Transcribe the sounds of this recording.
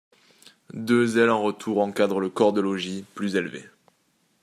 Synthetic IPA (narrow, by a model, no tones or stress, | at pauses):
d̪øzɛlɑ̃ʁət̪ʰuʁɑ̃kad̪ʁələkɔʁd̪əlɔʒiplyzelvḛ